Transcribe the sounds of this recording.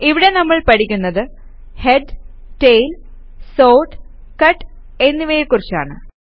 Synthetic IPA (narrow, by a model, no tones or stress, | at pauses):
iʋiɽe̞nɐmːɐɭpɐʈikʲːunːɐðɨ | heɖ | ʈejl | so̞ːʈ | kɐʈː | e̞nːiʋeːjkːurit͡ɕːa̰ːɳɨ̰